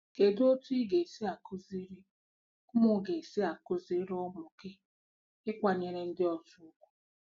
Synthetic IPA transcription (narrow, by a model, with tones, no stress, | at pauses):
ke˨do˦tu˦i˦ɡe˨si˦a˨kʊ˦zi˦ɾi˦ | ʊ˦mʊ˦ɡe˨e˨sɪ˦a˨kʊ˦zi˦ɾɔ˦mʊ˨kɪ˦ | ɪ˦kʷa˨ɲe˨ɾe˦n̩˦dɪ˦ɔ˨tu˦ʊ˦kʷu̥˦